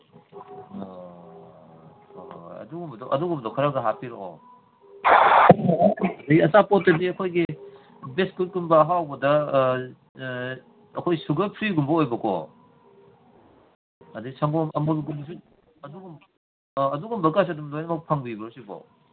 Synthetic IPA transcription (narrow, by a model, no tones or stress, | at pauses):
ojɐ̰duɡumbɐdɔʔɐduɡumbdɔkʰɐɾɐɡɐɦapʰiɾɔkɔ̰ | ɐdɐɡiɐsapot̚ːɐdiɐkʰojɡi | beskult̚ɡumbɐɦawbɐdɐ | ɐkʰojsuɡɐpʰɾiɡumbɐojbɐkɔ̰ | ɐdisɐŋbɔmɐmulɡumbɐs̬u | ɐduɡum | ɐduɡumbɐkas̬ɐdumdojnɐmɐk̚pʰaŋbibɐɾusibɔ̰